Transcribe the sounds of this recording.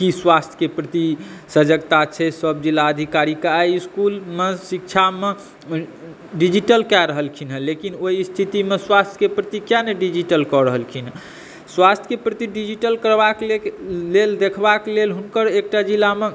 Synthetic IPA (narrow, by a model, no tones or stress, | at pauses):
kiswast̪ʰə̥kepɾət̪isəd͡ʒəɡt̪at͡ʃʰɛsəb̚d͡ʒilːaəd̪ʱikaɾikaɾiiskulmesikt͡ʃʰame | ɖid͡ʒiʈəlkɛɾəɦəlkʰinɦəlekinoist̪ʰit̪imeswast̪ʰəkepɾət̪ikjaneɖid͡ʒiʈəlkɔɾəɦəlkʰinɦə | swast̪ʰjə̥kepɾət̪iɖid͡ʒiʈəlkəɾbakeleld̪ekʰbaklelɦunkəɾek̚ʈad͡ʒilːame